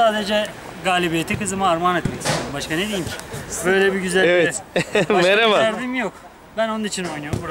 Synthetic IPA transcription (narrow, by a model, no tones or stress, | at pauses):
saːd̪ed͡ʒɛ | ɡaːlʲibijet̪ʰikɯzɯmɯaɾmanɛt̪mɛci̥st̪ʰeɾumbaʃkaned̪ejimcʰi̥bø̞jlʲɛbiɟyzælevɛameɾavaaɾd̪ɯmjok | bæno̞nunit͡ʃʰino̞jnujoɾmbuɾa